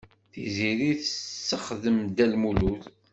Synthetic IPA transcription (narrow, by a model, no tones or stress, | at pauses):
θiziɾiθəsːəχðəmd̪ælmuluθ